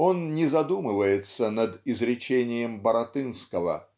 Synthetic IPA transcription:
o̞nnʲɪzɐd̪umɨvəjɪt̪sənəd̪ɪzɾʲɪt͡ɕenʲɪjəmbəɾɐt̪ɨnskəvə̰

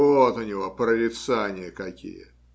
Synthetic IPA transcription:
ot̪ʊnʲɪvopɾəɾʲɪt̪sanʲɪjəkɐkʲḭjə̰

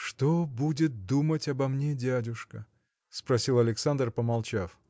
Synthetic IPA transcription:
ʂt̪obudʲɪt̪̚d̪umətʲɐbɐmnʲedʲædʲʊʂkə | spɾɐsʲilˠɐlʲɪksand̪rpəmɐlˠt͡ɕaf

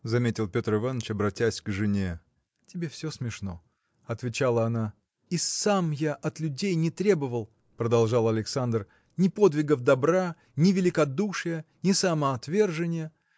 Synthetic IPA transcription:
zɐmʲetʲɪlˠpʲo̞t̪rɨvanːət͡ɕɐbɾɐtʲːæsʲɡʐɨnʲe | tʲɪbʲefsʲosmʲɪʂno̞̰ | ɐt̪vʲɪt͡ɕalˠəɐna | isamjaʔɐt̪lʲʉdʲejnʲɪt̪ɾʲe̞bəvəlˠ | pɾəd̪ɐlˠʐalˠɐlʲɪksand̪r | nʲɪpo̞d̪vʲɪɡəfd̪ɐbɾa | nʲɪvʲɪlʲɪkɐd̪uʂɨjənʲɪsɐməɐt̪vʲe̞rʐɨnʲɪjə

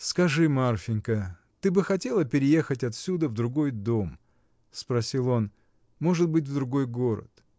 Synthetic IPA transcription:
skɐʐɨmarfʲɪnʲkə | t̪ɨbɨxɐtʲe̞lˠəpʲɪɾʲɪje̞xətʲɐt̪sʲud̪əvd̪ɾʊɡo̞jd̪o̞m | spɾɐsʲilˠo̞n | mo̞ʐɨt̪̚bɨt̚ʲvd̪ɾʊɡo̞jɡo̞ɾə̰t̪

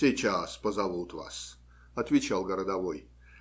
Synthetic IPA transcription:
sʲejt͡ɕaspəzɐvut̪va̰s | ɐt̪vʲɪt͡ɕalˠɡəɾəd̪ɐvoj

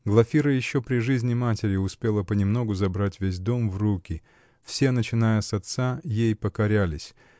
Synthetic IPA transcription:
ɡlˠɐfʲiɾəjɪɕːo̞pɾʲɪʐɨzʲnʲɪmatʲɪɾʲɪʊspʲe̞lˠəpənʲɪmno̞ɡʊzɐbɾatʲvʲes̬ʲd̪o̞mvrukʲɪ | fsʲe̞nət͡ɕɪnajəsɐt̪sajejpəkɐɾʲælʲɪsʲ

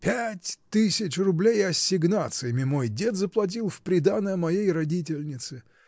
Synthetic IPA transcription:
pʲætʲt̪ɨsʲɪt͡ɕrʊblʲejɐsʲːɪɡnat̪sɨjəmʲɪmo̞jdʲet̪zəplˠɐt̬ʲilˠfpɾʲɪd̪anəjəmɐjejrɐdʲit̬ʲɪlʲnʲɪt̪sɨ

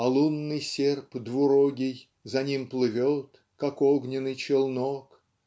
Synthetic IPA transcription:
ɐlˠunːɨjsʲerpd̪vʊɾoɡʲɪj | zɐnʲimplˠɨvʲot̪ | kakoɡnʲɪnɨjt͡ɕɪlˠnok

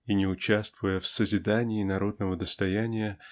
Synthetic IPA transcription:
inʲɪʊt͡ɕast̪vʊjəfsəzʲɪd̪anʲɪːnɐɾo̞d̪nəvəd̪əst̪ɐjænʲɪjə

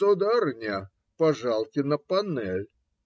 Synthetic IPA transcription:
od̪arnʲa | pɐʐalˠkʲɪnəpɐnɛlʲ

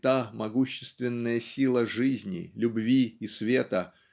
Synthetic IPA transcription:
t̪amɐɡuɕːɪ̥st̪vʲɪnːəjəsʲilˠəʐɨzʲnʲɪ̰lʲʊbvʲiːsvʲe̞t̪ə

